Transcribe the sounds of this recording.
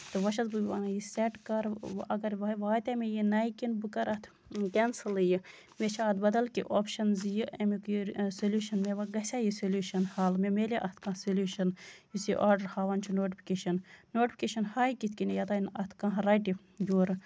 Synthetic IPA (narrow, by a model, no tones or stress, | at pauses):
t̪ɨʋɐʃɐzbɨʋanɐjiseʈkɐɾɐɡɐɾʋʋaːt̪ɐmejinɐjkinbɨkɐɾɐt̪ʰ | kʲensɨlɨji | met͡ʃʰaɐːt̪̚bɐd̪ɐlkḭʔopʃɐnzjiʔɐmikjɾsolʲjuːʃɐnmeʋɐɡɐsʲajisolʲuːʃɐnhaːlmemeliʔɐt̪kãsolʲuːʃɐnjusiʔaːɾɖɐɾhaːʋɐnt͡ʃʰunoːʈipʰi̥keʃɐnːoːʈipʰʲikʲeʃɐnhaːjkit̪ʲkinejɐt̪ɐːinɐt̪ʰkɐ̃ɦɾɐjʈi | juːɾ